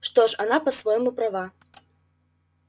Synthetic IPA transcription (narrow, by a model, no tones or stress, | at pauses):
ʂt̪ɔʂanapɐsvɔjmupɾava